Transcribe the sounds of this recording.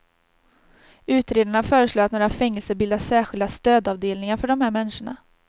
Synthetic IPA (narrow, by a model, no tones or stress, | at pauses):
ʉ̟ːt̪ɾeːd̪aɳafœːɾəʂloːat̪noːɾafɛŋːɛlsəbɪld̪asæːɧɪld̪ast̪øːd̪ɑːvd̪eːlnɪŋaɾfœɖɔmhæːɾmɛnːɪʂəɳa̰